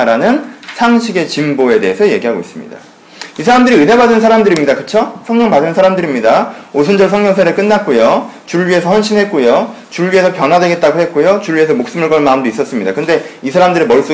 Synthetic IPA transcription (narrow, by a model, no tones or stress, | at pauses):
ɾanɯnsʰaŋɕʰiɡe̞t͡ɕimboe̞de̞esʰʌje̞ɡiɦaɡois͈ɯmɲḭda̰ | isʰaɾamdɯɾiɯne̞badɯns̬ʰaɾamdɯɾimɲidakɯt͡ɕʰosʰʌŋɲʌŋpadɯnsʰaɾamdɯɾimɲidaos̬ʰɯnd͡ʑʌɭsʰʌŋɲʌŋsʰeɾɯɭk͈ɯnːat̚k͈ojot͡ɕuɭːɥie̞sʰʌhwʌnɕʰinɦe̞t̚k͈ojo | t͡ɕuɭːɥie̞sʰʌpjʌnɦwadwe̞ɡe̞t̚t͈aɡohe̞t̚k͈ojot͡ɕuɭɥie̞sʰʌmok̚s͈ɯmɯɭk͈ʌnmaɯmdois͈ʌs͈ɯmɲidakɯnde̞isʰaɾamdɯɾimʌɭs͈u